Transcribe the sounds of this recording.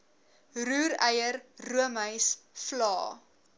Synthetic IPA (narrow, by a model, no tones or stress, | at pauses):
ruːɾəjərruəməjsflɑ̰ː